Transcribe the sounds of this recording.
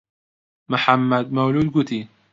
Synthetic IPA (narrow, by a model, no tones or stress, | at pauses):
mʊħamːad̪̚mawluːd̪̚ɡʊt̪ʰi